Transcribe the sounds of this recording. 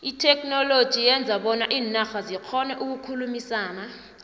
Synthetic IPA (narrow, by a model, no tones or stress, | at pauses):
itʰɛkʰʼnɔlod̥ʒ̥ʱijɛnd͡zʱaɓɔnaʔiːnaxazikʰɔnɛʔuk̬ukʰulumisaːna